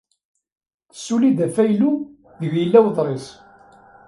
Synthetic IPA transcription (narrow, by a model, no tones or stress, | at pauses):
θə̥sːulid̪æfæjlu | ðəɣjəlːæwðˤɾˤis